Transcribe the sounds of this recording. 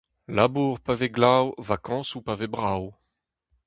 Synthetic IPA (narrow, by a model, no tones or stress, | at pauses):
labuːʁpaveɡlawvakɑ̃supavebʁaw